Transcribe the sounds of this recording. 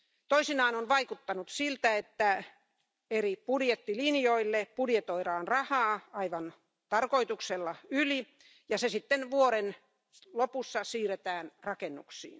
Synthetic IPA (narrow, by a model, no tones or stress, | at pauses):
t̪oisinɑːnonʋɑikut̪ːɑnut̪silt̪æet̪ːæ | eripudjet̪ːilinjoilːepudjet̪oiɾɑːnrɑhɑːɑiʋɑn | t̪ɑrkoit̪ukselːɑyli | jɑsesit̪ːenʋuoɾen | lopusːɑsiːret̪æːnrɑkenːṵksḭːn